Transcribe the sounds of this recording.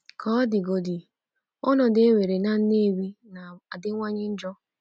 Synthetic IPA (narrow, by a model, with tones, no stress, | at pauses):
kʰɔ˦dɪ˨ɡo˨dɪ˨ | ʊ˦nɔ˨de˦we˨ɾe˨na˦n̩˦ne˦wi˦na˨a˨dɪ˦ŋʷa˦ɲɪ˦n̩˦d͡ʒɔ˦